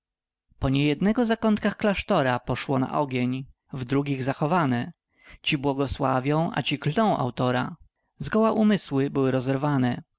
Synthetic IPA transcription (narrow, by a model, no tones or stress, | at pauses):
pɔɲɛjɛd̪nɛɡɔzakɔnt̪̚kaxklaʂt̪ɔɾapɔʂwɔna̰ʔɔɡʲeɲ | vd̪ɾuɡʲiɣzaxɔvanɛ | t͡ɕibwɔɡɔswavʲjɔ̃w̃ʔa̰t͡ɕiklt̪ɔ̃w̃ʔa̰wt̪ɔɾa̰ | zɡɔwaʔumɘswɘbɘwɘɾɔzɛɾvanɛ